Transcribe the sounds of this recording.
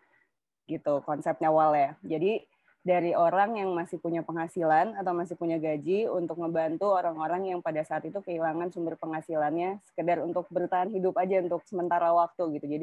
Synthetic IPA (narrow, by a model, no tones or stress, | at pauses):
ɡit̪ukɔnsɛp̪̚ɲawaljad͡ʒadi | daɾioɾaŋjaŋmasɪhpuɲapəŋɦasilanat̪awmasɪhpuɲaɡad͡ʒiunt̪ʊk̚məmbant̪uoɾaŋoɾaŋjaŋpadasaːt̪it̪ukəilaŋansumbərpəŋhasilanɲasə̥kədaɾunt̪ʊk̚bəɾut̪aanɦidʊpad͡ʒaunt̪ʊk̚səmənt̪aɾawak̚t̪uɡit̪ud͡ʒadi